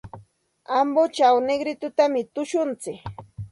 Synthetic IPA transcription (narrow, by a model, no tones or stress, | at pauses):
ambot͡ʃawneɡɾɪt̪ʊt̪amɪt̪ʊʃʊnt͡sɪk